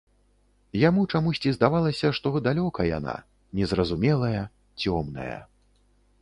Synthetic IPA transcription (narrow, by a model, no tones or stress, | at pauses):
jamut͡ʂamusʲt͡sʲizd̪avalˠɐsʲɐʂt̪ɔd̪alʲɔkɐja̰na̰ | nʲɛzrɐzumʲɛlˠɐjɐ | t͡sʲɔmnɐ̰jɐ̰